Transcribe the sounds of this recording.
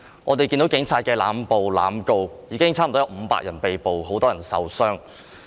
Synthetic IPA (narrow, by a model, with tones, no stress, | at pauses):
ŋɔ̰ː˨˧t̪e˨jkiː˧nt̪o˨˥wkɪ˨˥ŋt͡sʰaː˧t̚kɛː˧la̰ː˨˥mpo˨wla̰ː˨˥mko˧wjiː˨˧kɪ˥ŋt͡sʰaː˥m̩˨t̪ɔ˥jwm̩˨˧pa̰ː˧k̚jɐ˨˩npe˨jpo˨wɦo˨˥wt̪ɔː˥jɐ˨˩nsɐ̰˨wsœː˥ŋ